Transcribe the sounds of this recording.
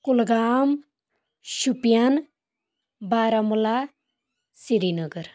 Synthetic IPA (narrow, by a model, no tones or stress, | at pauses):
kulɡaːm | ʃupijɐn | baːɾamula | siɾinəɡəɾ